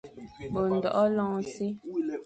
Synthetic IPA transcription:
bo˨n̩˨dɔ˨ʔɔ˦lɔ̃˦ŋsi˦

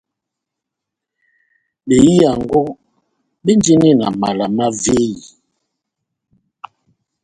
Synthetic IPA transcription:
ɓe˨ji˦a˨ŋ˨ɡo˦ | ɓe˦n˦d͡ʒi˦ni˦na̰˨ma˨la˨ma˦ve˦i˨

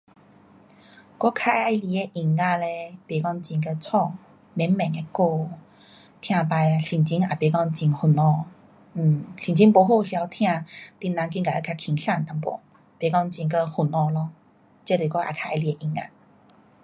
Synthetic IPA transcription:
kɔ˦kʰa˧a˧˦li˧e˧ʔi˨˩ŋːa˧le˧pe˨˩kɔ˧ŋt͡ɕi˧˩ŋkə˧t͡sʰɔ˥˧˩ | mɛ˨˦mmɛ̃˨˩ŋe˧ko˥˧ | t̪ʰj̃ã˧pa˧ja˧ɕi˨˩nt͡ɕi˧˦ŋa˨˩pe˨˦kɔ˥˧ŋt͡ɕi˧ŋhu˨˩nɔ˧ | n̩˨˩ɕi˨nt͡ɕi˧˦ŋpo˨˧˦ɦo˥˧ɕja˧˦t̪ʰj̃ã˥˧t̪i˧nã˧ŋk̬i˧ŋka˨˩˨ə˧˦kʰa˧kʰi˧˩ŋɬa˥˧˨nt̪a˧ŋpɔ̰˨˦ | pe˨˩kɔ˧ŋt͡ɕĩ˧˩ŋkə˧hu˨˩nɔ˧lɔ˧ | t͡ɕe˦˨le˨˩kɔ˦ʔa̰˧˩kʰa˧a˧li˧e˧ʔi˨˩ŋa̰˧

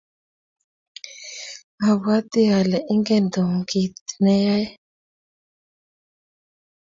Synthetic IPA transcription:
a˨wa˦t̪i˦a˨lɛ˨ʔi˦ŋɡe˦nd̪u˨ŋ˨ɡi˨t̪ne˦ja˦j

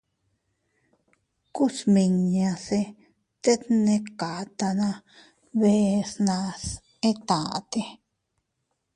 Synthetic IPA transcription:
ku˦smĩ˧ɲã˧se˧ | t̪e˦t̪nẽ˧ka˨t̪a˧nã˧ | βe˧snã˧s | e˦t̪a˨t̪e˧

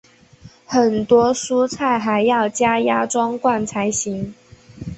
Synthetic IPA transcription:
xə˨˩nt̪wɔ˥su˥t͡sʰa˥˩ɪxa˧˥ɪjɑ˥˩ʊt͡ɕja˥ja˥ʈ͡ʂwɑ˥ŋkwa˥˩nt͡sʰa˧˥ɪɕi˨˧˥ŋ

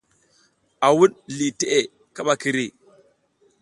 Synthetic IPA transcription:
a˨wu˦ɗli˨te˦ʔe˨ | ka˦ɓa˨ki˨ɾi˦˨

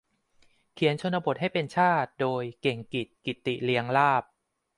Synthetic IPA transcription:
kʰi˩˦ənt͡ɕʰo˧nːa˧bo˨˩t̪̚ɦa˥˩jpe˧nt͡ɕʰaː˥˩t̪̚doː˧jke˨˩ŋki˨˩t̪̚ki˨˩t̪ːi˨˩ʔli˧əŋlaː˥˩p̚

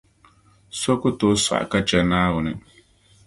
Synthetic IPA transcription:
sɔ˦kʊ˦tɔː˨˦sa̰˨ʔka˦t͡ʃɛ˨naː˦ɣʊ˨nɨ˨

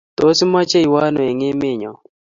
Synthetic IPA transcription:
t̪o˦si˦ma˦t͡ʃe˦i˨wa˦no˨e˨ŋe˦mɪ˦˨ɲɔ˨

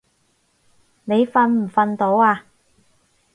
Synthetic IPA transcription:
ne˨˧jfɐ˧nm̩˨˩fɐ˨˧nt̪o˨˥waː˧

